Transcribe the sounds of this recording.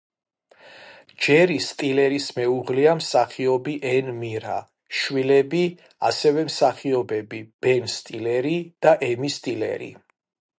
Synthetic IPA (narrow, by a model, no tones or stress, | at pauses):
d͡ʒɛɾist̪ʼilɛɾismɛuʁliamsaχiɔbiʔɛnmiɾa̰ | ʃwilɛbi | a̰sɛvɛmsaχiɔbɛbib̥ɛnst̪ʼilɛɾid̪̥aʔɛmist̪ʼilɛ̰ɾḭ